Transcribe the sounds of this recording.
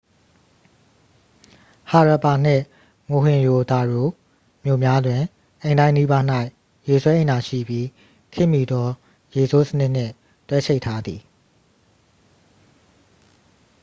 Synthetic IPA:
ha˨ɹa˨pa˨n̥ɪ̰̃˦˨ | ŋo˨ɦɪ̃˨jo˨d̪a˨ɹo˨ | mjo˨mja˦dwɪ̃˨ | ʔẽ˨ɪ̃ndã˦ɪ̃ni˦ba˦n̥a˦ɪʔ | je˨sʰwɛ˦ʔẽ˨nda˨ʃḭ˦˨bji˦ | kʰɪ̰̃˦˨mi˨d̪ɔ˦ | je˨so˦sənɪ˦ʔn̥ɪ̰̃˦˨ | twɛ˦t͡ɕʰe˦ɪtʰːa˦d̪i˨

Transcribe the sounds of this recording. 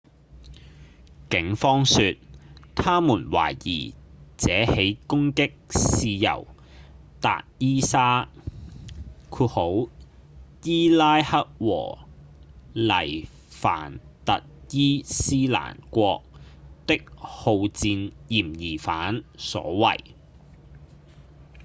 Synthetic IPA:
kɪ˨˥ŋfɔː˥ŋsyː˧t̚t̪ʰaː˥muː˨˩nwa̰ː˨˩jjḭː˨˩t͡sɛː˨˥he˨˥jkʊ˥ŋkɪ˥k̚siː˧jɐ̰˨˩w | t̪a̰ː˧˨t̚jiː˥saː˥ | kʰuː˧ho˨˥w | jiː˥laː˥jhɐ˥t̚wɔ̰ː˨˩ | lɐ˨˩j | fa̰ː˨˩nt̪ɐ˨t̚jiː˥siː˥la̰ː˨˩nkʷɔː˧k̚t̪ɪ˥k̚ho˧wt͡siː˧njiː˨˩mjiː˨˩faː˨˥nsɔ̰ː˨˥wɐ̰˨˩j

